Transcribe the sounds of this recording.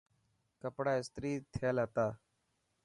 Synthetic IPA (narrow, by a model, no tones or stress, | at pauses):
kəpɽaːɪst̪ɾiːt̪ʰeːlɦət̪aː